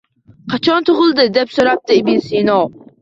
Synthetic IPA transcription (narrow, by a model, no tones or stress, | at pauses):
qʰɑt͡ʃʰɑnt̪ʰoʁʊlˠd̪ɨd̪ɛpsoɾɑp̚t̪ɨibinsinɑw